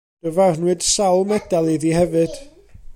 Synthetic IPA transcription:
d̥əvarnwɨd̥sawlˠmɛd̥alˠiðihɛvɨd̥

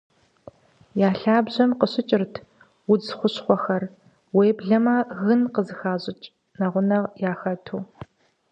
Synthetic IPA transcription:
jaːɬaːbʑɐmqəɕɪt͡ʃʼɪrtʰ | wʊd͡zχʷʊɕχʷɔxɐr | weːbɮɐmaːɣɨnqəzɨxaːʑʼɪt͡ʃʼ | nɐʁʷʊnɐʁjaːxɐtʰuː

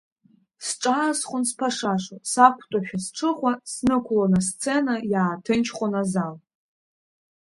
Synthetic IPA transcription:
sʈ͡ʂʼaːsχʷʊnspʰaʂaʂasakʷʰtʷʼaʃᶣasʈ͡ʂʰɨχʷasnɨkʷʰlonast͡sʰenajaːtʰɨnt͡ʃʰχʷonazal

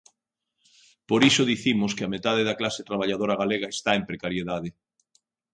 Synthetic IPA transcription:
poɾisoðiθimʊskɪamet̪að̞eðɐklaset̪ɾaβ̞aʎaðoɾɐɣaleɣ̞ɐest̪aempɾekaɾjeðaðe

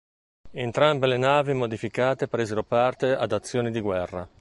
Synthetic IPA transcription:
ent̪ɾambelenaːvimod̪ifikaːt̪epɾeːzeɾopart̪ead̪at̪sːjoːnid̪iɡwɛrːa

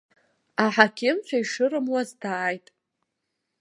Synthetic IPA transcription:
aħakʲʰɪmt͡ʃʷʰaiʂɨɾɨmwazdaːjtʼ

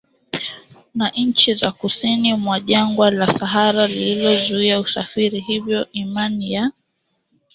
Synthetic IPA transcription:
naʔɲ̩t͡ʃizakusinimwaʄaŋɡwalasaɦaɾalililɔzuiausafiɾiɦivjɔʔimanija

